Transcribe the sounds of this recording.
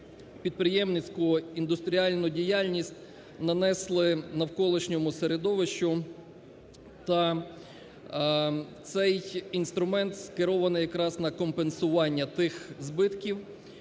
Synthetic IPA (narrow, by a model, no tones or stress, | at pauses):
pʲid̪̚pɾɪjɛmnɪt͡sʲkʊɔind̪ʊst̪ɾʲiɑlʲnʊdʲijɑlʲnʲisʲtʲ | nɐnɛslˠɪnɐwkɔlˠɪʃnʲɔmʊseɾed̪ɔʋɪʃt͡ʃʊ | t̪ɐ | t̪sɛjinst̪ɾʊmɛnt̪skɪɾɔʋɐnɪjɐkɾɑznɐkɔmpensʊʋɑnʲːɐt̪ɪxzbɪt̪kʲiw